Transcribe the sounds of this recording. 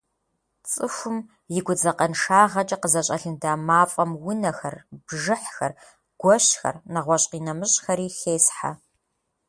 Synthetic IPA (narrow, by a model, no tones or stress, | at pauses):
t͡sʼɨxʷʊm | jɪɡʷʊd͡zɐqɐnʂaːʁɐt͡ʃʼɐqəzɐɕʼɐɬɨndaːmaːfʼɐmwʊnɐxɐrb̥ʒɨħxɐr | ɡ̥ʷɔɕxɐ̰rnɐʁʷɔɕʼqiːnɐmɨɕʼxɐɾiːɬeːsħa̰